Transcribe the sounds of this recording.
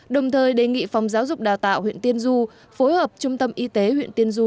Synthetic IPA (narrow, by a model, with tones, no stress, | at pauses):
ɗə˨˩wŋ͡mt̪ʰəː˨˩jɗe˨˩ŋḭ˧˨fwŋ͡mzaː˨˦wzʊ˨˩k͡p̚ɗaː˨˩wt̪a̰ː˧˨whwḭ˧˨ənt̪i˧ənzu˧ | fo˨˦jhəː˨˩p̚t͡ɕʊ˧ŋ͡mt̪ə˧mʔi˧t̪e˨˦hwḭ˧˨ənt̪i˧ənzu˧